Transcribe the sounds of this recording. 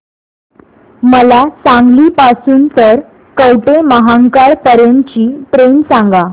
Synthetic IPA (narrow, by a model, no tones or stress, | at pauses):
məlat͡sãŋɡliːpasuːnt̪əɾ | kəwʈeməɦaŋkaɭpəɾjənt͡ɕiːʈɾensãŋɡa